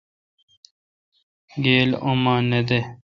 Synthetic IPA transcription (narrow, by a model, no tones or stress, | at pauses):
ɡeːlomãːned̪e